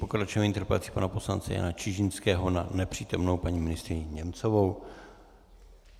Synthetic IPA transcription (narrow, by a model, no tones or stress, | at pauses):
pokɾat͡ʃoviɲt̪r̩pɛ̰t͡si̥panapo̞slant͡sɛ̰ja̰nat͡ʃɪʒɪnskɛːɦo̞nanɛpr̝̥iːt̪omno̞wpaɲiːmɪnɪst̪ɾɪɲɪɲɛmt͡sovow